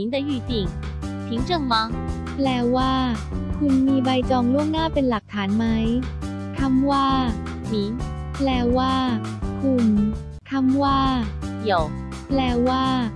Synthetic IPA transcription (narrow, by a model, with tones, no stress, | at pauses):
i˨˦nd̪ə˧jy˧˩t͡ɕi˨˩ŋ | t̪ʰi˨˦ŋt͡ɕɤ˧˩ŋma˧˦˥ | plɛː˧waː˥˩kʰu˧nmiː˧ba˧jt͡ɕɔː˧ŋlu˥˩əŋnaː˥˩pe˧nla˨˩k̚t̪ʰaː˩˦nma˦˥j | kʰa˥˩mwaː˥˩ | mi˨˩˦n | plɛː˧waː˥˩kʰu˧n | kʰa˥˩mwaː˥˩jo˨˩w | plɛː˧˩waː˥˩